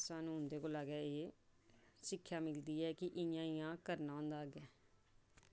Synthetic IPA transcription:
saːnũːɦʊnd̪eːkoːlaːɡɛːeː | sɪkʰːjaːmɪld̪iːɛːkɪʔɪjãːɪjãːkəɾnaːõːnd̪aːɡɛː

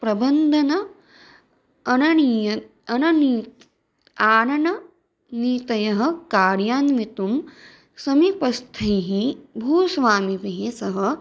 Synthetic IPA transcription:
pɾɐbɐnd̪ʱɐnɐ | ɐnɐɐ | ɐnɐniːt̪ | aːnɐnɐ | niːt̪ɐjɐɦɐ̆kaːɾjaːnʋit̪um | sɐmipɐst̪ʰɐjɦibʱuːsʋaːmipeɦeːsɐɦɐ̆

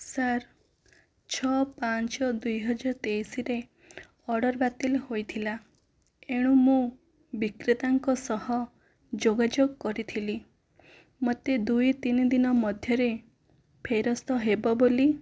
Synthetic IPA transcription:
saɾ | t͡ʃʰɔpant͡ʃɔd̪ujɦɔd͡ʒaɾɔt̪ejsiɾe | ɔɽɔɾbat̪ilɦojt̪ʰila | eɽ̃ũmũ | bikɾit̪aŋkɔsɔhɔ | d͡ʒoɡad͡ʒoɡkɔɾit̪ʰili | mot̪ed̪ujt̪inid̪inɔmɔd̪ʱjɔɾe | pʰejɾɔst̪ɔɦebɔboli

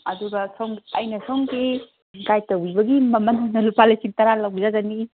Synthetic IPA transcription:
ɐduɡɐsowŋiɐjnɐsowŋɡi | ɡajtɐwibɐɡimɐmɐnanɐlupalɐjsintɐɾalɐwbizazani

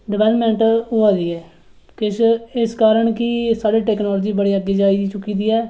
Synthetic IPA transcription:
ɖɪʋɛːləpmɛ̃ːɳʈoːaːd̪iːɛː | kɪʃɪskaːɾəɳkɪsaːɖiːʈɛːknɔːlːd͡ʒiːbəɽeːəɡːeːd͡ʒaːid̪t͡ʃʊkiːd̪iːɛː

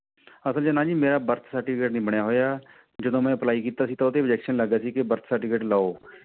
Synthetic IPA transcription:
əsəld͡ʒənãːd͡ʒiːmeːɾaːbəɾt̪ʰsəɾʈiːpʰkeːʈnĩːbəɳjaːɦoːjaː | d͡ʒəd̪õːmɛ̃ːəplaːiːkiːt̪aːsiːt̪ãʊt̪eːʋɪd͡ʒɛːkʃənləɡaːsiːkɪbəɾt̪ʰsəɾʈiːkeːʈlaːoː

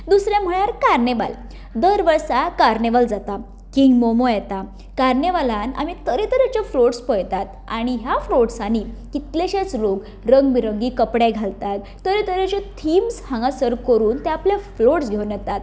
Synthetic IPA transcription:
d̪usɾjɛ̃m̤əɽ̃aɾkaɾneʋa̰l | d̪əɾʋəɾsakaɾneʋald͡zat̪a | kiŋɡmomojɛt̪a | kaɾneʋalana̰mit̪əɾet̪əɾet͡ɕefloʈspəjt̪at̪ | aɽ̃iɦjafloʈsanikit̪leɕet͡slok | ɾəŋɡbiɾəŋɡikəpɽaɡʱalt̪at̪̚ːəɾet̪əɾet͡ɕet̪ʰimshãŋɡasəɾkəɾuːnt̪ɛapljafloʈsɡʱewnjɛt̪at̪̚

